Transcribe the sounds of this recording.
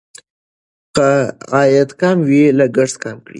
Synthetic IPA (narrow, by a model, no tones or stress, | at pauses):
qaɑjat̪kɑmwilaɡaʂskɑmkɽḭ